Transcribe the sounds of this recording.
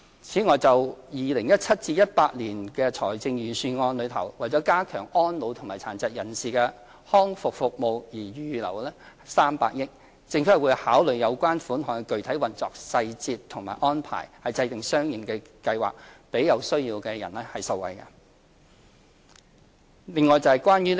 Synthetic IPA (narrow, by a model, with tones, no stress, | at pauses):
t͡sʰiː˨˥ŋɔː˨jt͡sɐ˨wjiː˨lɪ˨˩ŋjɐ˥t̚t͡sʰɐ˥t̚t͡siː˧jɐ˥t̚paː˧t̚liː˨˩nkɛː˧t͡sʰɔː˨˩jt͡sɪ˧ŋjyː˨˩syː˧ŋɔː˧nlɵ˨˧ɥt̪ʰɐ̰˨˩wwɐ˨jt͡sɔː˨˥kaː˥kʰœː˨˩ŋɔː˥nlo˨˧wt̪ʰŋmaː˨˩jt͡sʰaː˨˩nt͡sɐ˨t̚jɐ˨˩nsiː˨kɛː˧ | hɔː˥ŋfʊ˨k̚fʊ˨k̚mo˨˧wjiː˨˩jyː˨lɐ̰˨˩wlɛː˥saː˥mpa̰ː˧k̚jɪ˥k̚ | t͡sɪ˧ŋfwu˨˧jhaː˨˥wlɵ˨˩ɥjɐ˨˧wkʷaː˥nfuː˨˥nhɔː˨˩ŋkɛ˧kɵ˨ɥt̪ʰɐ˨˥jwɐ˨nt͡sɔː˨k̚sɐ˧jt͡siː˧tt̪ʰʊ˨˩ŋma̰ː˨jʔɔː˥npʰa̰ː˨˩jhɐ˨jt͡sɐ˧jt̪ɪ˨ŋsœː˥ŋji˨˩nkɛ˧ | kɐ˧jwa̰ː˨k̚pe˨˥jɐ˨˧wsɵ˥ɥjiː˧wkɛ˧jɐ̰˨˩nlɛː˥hɐ˨jsɐ˧wɐ̰˨jkɐ̰˧ | lɪ˨˧ŋːɔː˨˩jt͡sɐ˨˧hɐ˨˩jkwaː˥njyː˥